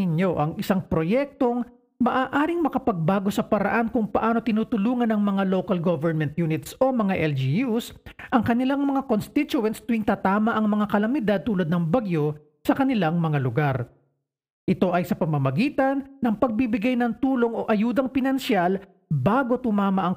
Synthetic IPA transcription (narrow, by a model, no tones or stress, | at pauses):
ɪɲo̞ʔɐŋɪsaŋpɾo̞jɛk̚t̪o̞ŋ | mɐʔaːʔaːɾɪŋmɐkɐpɐɡ̚baːɡo̞sɐpɐɾɐ̰ʔankʊŋpɐʔaːno̞t̪ɪnuːt̪ʊluːŋɐnɐŋmɐŋalowkɐlɡovɛɹmɛnt̪̚juːnɪt̪so̞mɐŋaʔɛld͡ʒijusʔɐŋkɐnɪlaŋmɐŋakonst̪ɪt͡ʃʊɛnst̪ʊɪŋt̪at̪aːmɐʔɐŋmɐŋakɐlɐmɪd̪ad̪̚t̪uːlɐd̪nɐŋbɐɡjo̞ | sɐkɐnɪlaŋmɐŋalʊɡaɾ | ʔɪt̪o̞ʔɐjsɐpɐmɐmɐɡiːt̪ɐnːɐŋpɐɡ̚bibɪɡajnɐŋt̪uːlo̞ŋʔo̞ʔɐjuːd̪ɐŋpɪnɐnʃɪal | baːɡo̞t̪ʊmaːmɐʔɐŋ